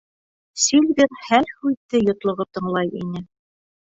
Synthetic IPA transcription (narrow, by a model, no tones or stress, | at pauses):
silɡɘɾhælhʉt̪ːɘjŏt̪lˠŏʁɤt̪ɤ̆ɴlˠɑjḭnɘ